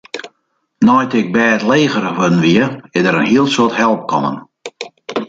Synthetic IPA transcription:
nɔjtɪk̚bɛːtleːɣəɾəʋødn̩ʋiəɪdəɾənhiəlˠsoəthɛlˠp̚kʰɔnə̰n

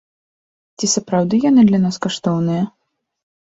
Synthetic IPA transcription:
t͡sʲisɐpɾawd̪ɨjanɨd̪lʲɐnaskaʂt̪ɔwnɨjɐ

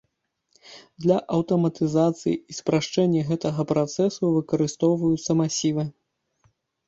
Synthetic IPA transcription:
d̪lʲɐʔɐwt̪ɐmɐt̪ɨzat̪sɨ̰jiispɾaʂt͡ʂɛnʲːɐɣɛt̪ɐɣɐpɾat̪sɛsuvɨkɐɾɨst̪ɔwvɐjut̪sːɐmasʲivɨ

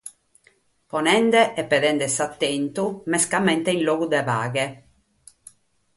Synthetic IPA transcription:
pɔnɛnd̪ɛʔɛpːɛðɛnd̪ɛsat̪ːent̪umɛskamɛnt̪einloːɡud̪ɛvaːɡɛ

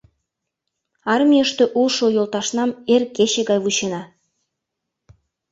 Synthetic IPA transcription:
ɑrmʲijəʃt̪ĕʔulʃojolˠt̪ɑʃnɑmerkeɕĕɡɑjvuɕenɑ

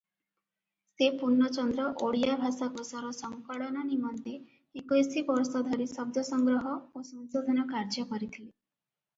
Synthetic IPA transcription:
sepuɾnːɔt͡ʃɔnd̪ɾɔʔoɽijabʱasakɔsɔɾɔsɔŋkɔɭɔnɔnimɔnt̪eː | kɔjsibɔɾsɔd̪ʱɔɾisɔb̚d̪ʱjɔsɔŋɡɾɔɦɔosɔnsod̪ʱɔnɔkaɾd͡ʒɔkɔɾit̪ʰile

